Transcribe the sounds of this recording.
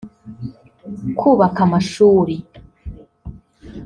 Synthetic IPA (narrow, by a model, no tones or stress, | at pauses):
kʰuːβakamaʃuːɾi